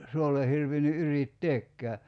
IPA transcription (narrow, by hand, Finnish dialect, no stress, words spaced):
suolːe hirʋinːy ʔyritːeːkːæː